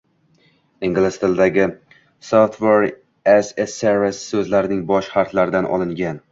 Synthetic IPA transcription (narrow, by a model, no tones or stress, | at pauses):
ɪŋɡʲlɪst̪ʰɪld̪aɡʲɪ | sot̪ʰveɾ | eseseɾessɵzlaɾɪnɪŋbɒʃχaɾt̪laɾɪd̪anʔɒ̰lˠɪŋɡʲan